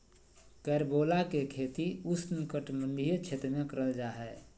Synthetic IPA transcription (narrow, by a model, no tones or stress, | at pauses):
kɛɾbolakekʰet̪iusnikəʈmənd̪ʱijət͡ʃʰet̪ɾmekəɾəld͡ʒaːɦɛ